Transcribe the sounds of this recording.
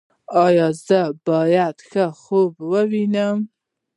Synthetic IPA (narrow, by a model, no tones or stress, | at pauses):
ɑjɑzəbɑjad̪xəxobwəwinəm